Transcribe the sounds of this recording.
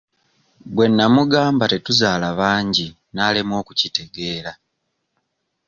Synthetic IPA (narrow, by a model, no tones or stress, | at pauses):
bwe̞nːamuɡaːmbate̞tuzaːlaβaːɲɟi | naːlemwo̞ːkucite̞ɡe̞ːla